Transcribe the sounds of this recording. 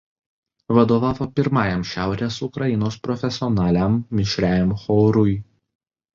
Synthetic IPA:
ʋɐd̪oːʋɑːʋoːpʲɪɾmɑːjɛmʃʲæˑʊɾʲeːsʊkɾɐjɪnoːspɾɔfʲɛsʲɪɔnɑːlʲæˑmːʲɪʃʲɾʲæːjɛmxɔʊɾʊj

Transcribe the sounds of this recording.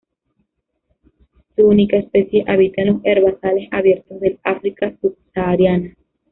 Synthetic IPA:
suunikaespesjeʔaβit̪anoseɾβasalesaβjeɾt̪ozðelafɾikasub̚saɾjana

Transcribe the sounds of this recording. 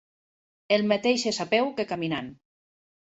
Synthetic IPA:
elˠmat̪ejʃesapewkekaminan

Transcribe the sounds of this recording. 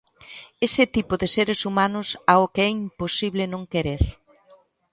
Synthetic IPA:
esɪt̪ipʊðɪseɾɪsumanʊsaʊkeɛimposiβlɪnõŋkeɾeɾ

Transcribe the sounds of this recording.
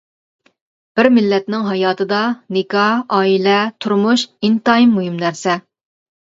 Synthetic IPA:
b̥ɪɾmɪlːɛt̪nɪŋɦɑjɑːt̪ʰɨd̪ɑnɪkɑɑːilɛt̪ʰuɾmuʃint̪ɑɦimːuɦɪmnæɾsɛ

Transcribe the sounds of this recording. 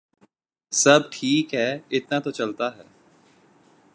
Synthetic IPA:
sɐbʈʰiːkɦɛːɪt̪nat̪ot͡ʃɐlt̪aɦɛː

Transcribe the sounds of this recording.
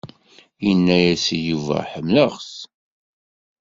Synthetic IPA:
jənːæjæsijuvæ̰ħəmːləʁs

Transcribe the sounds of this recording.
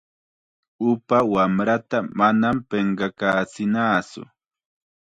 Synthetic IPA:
ʊpawamɾat̪amanampeɴɢɑkaːt͡sɪnaːt͡sʊ̰

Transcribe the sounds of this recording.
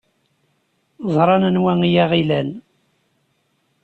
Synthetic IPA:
zˤɾˤɑnənwæŋijæʁilæn

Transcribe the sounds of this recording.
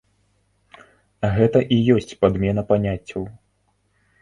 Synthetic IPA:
ɣɛt̪ɐʔijɔsʲt͡sʲpad̪mʲɛnɐpanʲat͡sʲːɐw

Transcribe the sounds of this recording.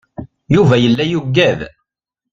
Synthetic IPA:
juvæjəlːæjuɡːæð

